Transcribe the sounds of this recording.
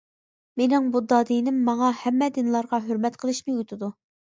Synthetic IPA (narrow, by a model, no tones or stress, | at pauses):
menɪŋbud̪ɑːd̪inɪmːɑŋɑhɛmːɛd̪ɪnlˠɑɾʁɑɦøɾmɛt̪qʰəlˠɨʃmɪut̪ʰɨd̪u